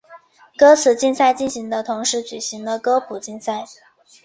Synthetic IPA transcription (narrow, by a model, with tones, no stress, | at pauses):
kɤ˥t͡sʰɹ̩˨˩t͡ɕi˥˧nsa˥˧ɪt͡ɕi˥˩nɕi˧˥ŋd̪ə˧t̪ʰʊ˧˥ŋʂɻ̩˧˥t͡ɕy˨˩ɕi˧˥ŋlə˧kɤ˥pʰu˨˩t͡ɕi˥˧nsa˥˩ɪ